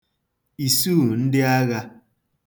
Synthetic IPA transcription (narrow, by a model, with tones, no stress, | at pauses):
i˨suː˦˨n̩˦dɪ˦a˦ɣa˦